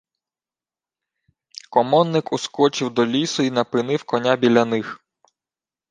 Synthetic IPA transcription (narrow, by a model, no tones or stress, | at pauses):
kɔmɔnːɪkʊskɔt͡ʃɪwd̪ɔlʲisʊinɐpɪnɪwkɔnʲabʲilʲɐnɪx